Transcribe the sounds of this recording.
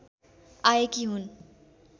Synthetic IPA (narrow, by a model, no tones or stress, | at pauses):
ajekiɦun